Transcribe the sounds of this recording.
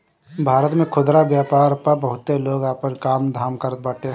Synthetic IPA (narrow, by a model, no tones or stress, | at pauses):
bʱaːɾət̪mẽkʰʊd̪ɾabjaːpaːɾpəɾbəɦʊt̪ːeloːɡaːpənkaːmd̪ʱaːmkəɾət̪̚baːʈʰe